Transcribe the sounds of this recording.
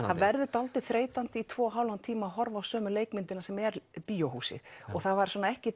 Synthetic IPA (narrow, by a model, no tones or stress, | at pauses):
avɛɾðʏt̪alt̪ɪ̥θɾeːjt̪ant̪ɪit̪ʰvɔːɦaːwlant̪ʰiːmaaɦɔɾvawsœːmʏleːjkmɪnt̪ɪnasɛmɛɾpiːjowhuːsɪ̰ɔɣθavaɾswɔːnaɛhcɪ